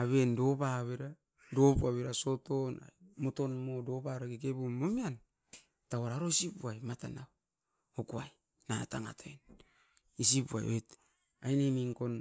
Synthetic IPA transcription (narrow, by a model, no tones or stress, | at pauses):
aβendo̞paβeɾa | do̞puaβeɾaso̞to̞na̰moto̞nmodo̞paɾaɡikebumomian | tawaɾaɾo̞isipuajmatanaw | okuaj | nataŋa̰tʰan | is̬ipua̰jo̰et | ajnemiŋko̞n